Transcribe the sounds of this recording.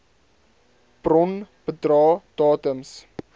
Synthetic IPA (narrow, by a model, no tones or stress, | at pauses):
b̥rɔnb̥ədrɑːd̥ɑːtəms